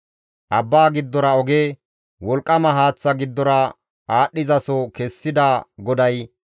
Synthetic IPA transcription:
ʔɐbːaːɡɪd̪ːɔɾɐɔɡeː | wɔlkʼːɐmɐɦaːt͡sːɐɡɪd̪ːɔɾɐ | aːɗːɪzɐsɔkɛsːɪd̪aɡɔd̪ɐj

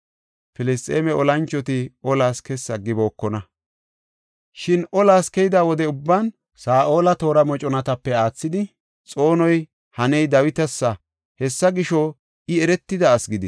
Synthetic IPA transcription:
fɪlɪs̬t̪ʼeːmɛɔlɐnt͡ʃːɔt̪ɪɔlaːskɛsɐɡɪbo̞ːkːɔnɐ | ʃɪnɔlaːskɛjɪd̪aːwɔd̪ɛʊbːaːn | saːʔo̞ːlɐt̪o̞ːɾɐmɔt͡ʃʼɔnɐt̪ɐpːɛaːt͡sːɪd̪ɪ | t͡sʼo̞ːnɔj | hɐnɛjd̪ɐwɪt̪ɐsːɐ | hɛsːɐɡɪʃɔ | ɪɛɾɛt̪ːɪd̪ɐːsɡɪd̪ɪs

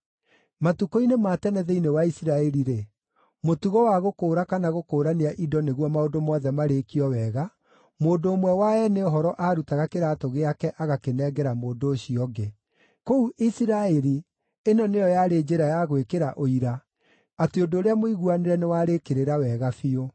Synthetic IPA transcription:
matukoinematɛnɛðɛinewaisiɾaɛɾiɾe | motuɣɔwaɣokoːɾakanaɣokoːɾaneaʔidɔneɣwɔmaodomɔːðɛmaɾekiɔwɛːɣa | moːndoːmwɛwaɛneoɦɔɾɔʔaɾutaɣakeɾaːtoɣeakɛʔaɣakenɛːɡɛɾamoːdoːɕiɔɡe | kouʔisiɾaɛɾi | enɔnejɔjaɾed͡ʒeɾajaɣwekeɾaʔoiɾaː | teodoːɾeamoiɣuaneɾɛnewaːɾekeɾeɾawɛːɣafio

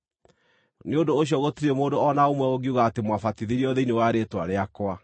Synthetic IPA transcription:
neodoːɕ̬jɔɣotiɾemoːdoɔnaomwɛoɡiuɣaːtemwafatiðiɾiɔðeinewaɾetwaɾeakwa

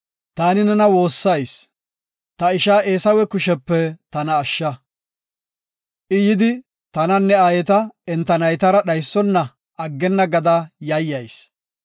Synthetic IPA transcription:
t̪aːnɪnɛnɐwo̞ːsːɐjs | t̪ɐɪʃaːʔeːsɐwɛkʊʃɛpːɛt̪ɐnɐːʃːɐ | ʔɪjɪd̪ɪ | t̪ɐnɐnːɛaːjɛt̪ɐɛnt̪ːɐnɐjt̪ɐɾɐɗɐjsːɔnːɐ | ɐɡːɛnːɐɡɐd̪ɐjɐjːɐjs

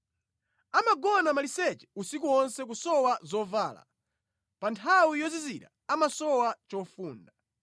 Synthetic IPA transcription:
amaɡɔnamalisɛt͡ʃɛ̥usikuɔnsɛk̬usɔwazɔvaːla̰ | pantʰawijɔziziɾa̰ | amasɔwat͡ʃɔfuːnda

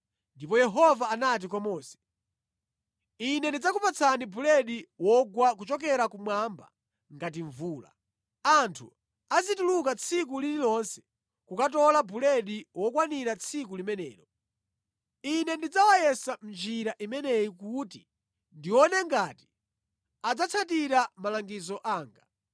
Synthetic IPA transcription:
ndipɔjɛɦɔvaːnat̬ikwamɔːsɛ̥ | inɛndid͡zakupat͡sʰanibʱulɛɗiwɔɡwak̬ut͡ʃɔk̬ɛɾakumwamba̰ | ŋɡatiɱvuːla̰ | antʰṵ | azitulukat͡sʰik̬ulililɔnsɛ̥ | kukat̬ɔlabulɛɗiwɔkwaniɾat͡sʰikulimɛnɛ̰ːɾɔ | inɛndid͡zawajɛsam̩d͡ʒiɾaʔimɛnɛjikuti | ndiwɔnɛŋɡaːti̥ | ad͡zat͡sʰatiɾamalaŋɡizɔʔaːŋɡa

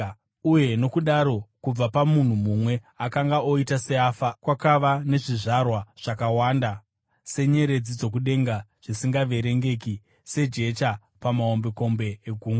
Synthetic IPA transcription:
uje̞no̞kuɗaɾo̞kub͡vapamun̤umumwe̞ | akaŋɡaoitase̞afakwakaʋane̞ʐiʐarwaʐ̥akawaːnda | se̞ɲe̞ɾe̞d͡zid͡zo̞k̬uɗe̞ŋɡaʐ̥isiŋɡaʋe̞ɾe̞ŋɡe̞ki | se̞d͡ʒe̞ta | pamaombe̞ko̞mbe̞ːɡʱuːŋɡa

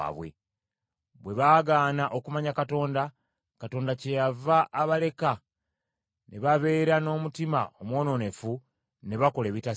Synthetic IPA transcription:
βwe̞̰ | βwe̞βaːɡaːnaʔo̞kumaɲakato̞ːnda | kato̞ːndace̞javaʔːβale̞ka | ne̞̰βaβe̞ːɾano̞ːmutima̰omwo̞ːno̞ne̞fu | ne̞βako̞le̞ːβita

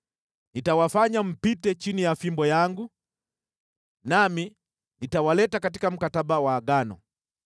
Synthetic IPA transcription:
nitawafaɲam̩pitɛt͡ʃinijafimbɔjaŋɡu | nami | nitawalɛtakatikam̩katabawaːɡanɔ̰

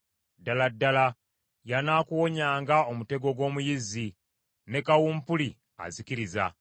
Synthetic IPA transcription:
dːaladːala | janaːkuwo̞ɲaːŋɡaomute̞ɡo̞ɡwo̞ːmujizi | nekawuːmpuli | a̰zikiɾiza̰

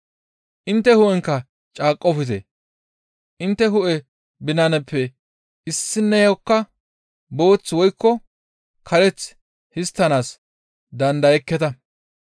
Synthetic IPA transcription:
ʔɪnt̪ːɛhʊʔɛŋkːɐ | t͡ʃʼaːkʼːɔfɪt̪̬ɛ̰ | ʔɪnt̪ːɛɦʊʔɛ | bɪnɐnɛpːɛ | ɪsːɪnːɛjɐkːɐ | bo̞ːt͡sːwɔjkːɔ | kʰɐɾɛt͡s | hɪst̪ːɐnaːs | d̪ɐnd̪ɐjɛkːɛt̪ɐ

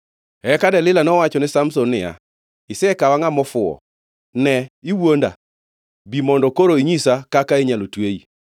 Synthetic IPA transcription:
ɛkadɛlɪlanɔwat͡ʃɔnɪsamsɔnːɪja̰ | ɪsɛkawaŋamɔfʊɔ̰ | nɛiwonda̰ | bimɔndɔkoɾoiɲisakakaeɲalotweḭ

